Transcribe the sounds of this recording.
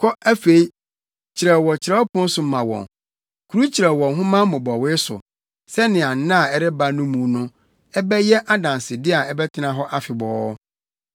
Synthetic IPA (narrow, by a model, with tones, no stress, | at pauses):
kʰɔ˦æ˦fe˨i˦ | t͡ɕʰɪ˨ɾɛ˨wɔ˨t͡ɕʰɪ˨ɾɛ˦ɔ˦pʰʊ̃˦n̩˦sʊ˨m̩˦mːã˨wɔ̰̃˨n | kʰu˨ɾu˦t͡ɕʰi˨ɾɛ˨wɔ̃˨nɦʊ̃˦mã˦mʊ̃˨bɔ˨wɪ˦sʊ̰˨ | sɛ˦nɪ̃˨a˨n˨˦nã˦˨ɛ˨ɾɛ˦ba˦nʊ̃˦mũː˨˦nʊ̃˦ | ɛ˦bɛ˦jɛ˦ʔa˦dã˨n˨sɪ˨dɪ˦a˨ɛ˦bɛ˦tʰɪ˦nã˨ɦɔ˦ʔa˦fɪ˨bɔː˨˦